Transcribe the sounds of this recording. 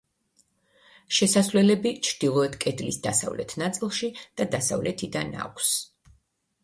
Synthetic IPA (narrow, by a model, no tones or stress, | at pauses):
ʃɛsasvlɛlɛbit͡ʃʰɾd̪̥ilˠɔɛt̪ʰkʼɛd̪lḭsd̪asa̰vlɛ̰t̪ʰnat̪sʼilˠʃid̪̥ad̪asa̰vlɛt̪ʰid̪ana̰kʷʰs